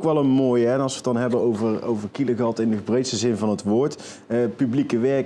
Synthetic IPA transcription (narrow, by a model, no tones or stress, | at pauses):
kʋɛlˠənmoːjɛnɑlˠsʋətɑnɦɛbənowvəro̰wvəɹkiləɣɑtɪndəbrejtstəzɪnvɑnɦətʋoːɹt | əpyblikəʋɛɹk